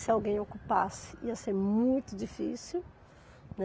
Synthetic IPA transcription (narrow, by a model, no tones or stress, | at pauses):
sɪawɡẽj̃okupa̰sɪ̥ḭasɛmũj̃t̪ud̪ifḭsiu | nɛ